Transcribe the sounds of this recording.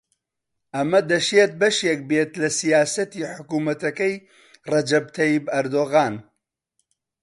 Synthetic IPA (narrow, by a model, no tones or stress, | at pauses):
ʔɐmɐd̪ɐʃeːt̪̚bɐʃek̚beːt̪lɐsijaːsɐt̪iːħʊkuːmɐt̪ɐkɐj | rɐd͡ʒɐb̚t̪ʰɐjibɐɾd̪oːɣaːn